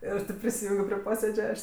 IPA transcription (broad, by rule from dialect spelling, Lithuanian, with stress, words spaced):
ˈɪr tʲeːp pʲrʲɪsʲɪˈjuːŋʲɡʲoː pʲrʲɪ ˈpoːsʲeːd͡ʒʲɛ ˈɐʃ